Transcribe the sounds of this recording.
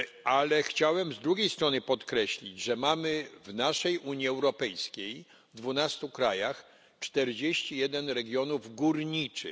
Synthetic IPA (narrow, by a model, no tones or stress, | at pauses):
ʔalɛxt͡ɕawɛmzd̪ɾuɡʲejst̪ɾɔnɘpɔt̪kɾɛɕlʲid͡ʑʐɛmamɘvnaʂɛjʔuɲiɛwɾɔpɛjskʲej | d̪vunast̪ukɾajax | t͡ʂt̪ɛɾd͡ʑeɕt͡ɕijɛd̪ɛnɾɛɡʲjɔnuvɡuɾɲit͡ʂɘ